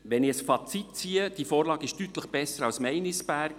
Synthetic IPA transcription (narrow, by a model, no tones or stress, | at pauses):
ʋɛnɪəsfɑt͡sit̚t͡siːəd̥ifoːɾlɑːɡɪʃtyt̪ləχb̥ɛsəɾɑwsmɛɪnɪsb̥æːɾk